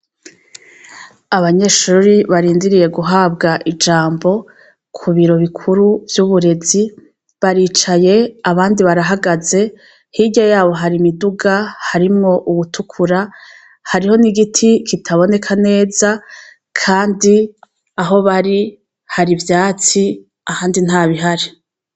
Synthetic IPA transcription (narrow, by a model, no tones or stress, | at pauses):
aβaɲe̞ʃuːɾiβaɾiːndiɾije̞ɡuɦaːbɡaʔid͡ʒaːmbo̞ | kʰuβiɾo̞βikʰuɾuvjuːβuɾe̞zi | βaɾiːt͡ʃaje̞aβaːndiβaɾaɦaɡaze̞ | hiɟajaːβo̞ɦaɾimiduɡahaɾimŋo̞ʔuβutʰukʰuɾa | haɾiho̞niɡitʰikʰitʰaβo̞ne̞kʰane̞ːza | kʰaːndi | aɦo̞βaɾi | haɾivjaːt͡si | ahaːndin̥haːβiɦaɾi